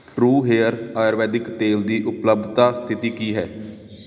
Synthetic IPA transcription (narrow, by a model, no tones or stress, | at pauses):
ʈɾuːɦeːəɾaːjɾʋɛːd̪ɪkt̪eːld̪iːʔʊpləb̚d̪ʱt̪aːst̪ʰɪt̪iːkiːɦɛː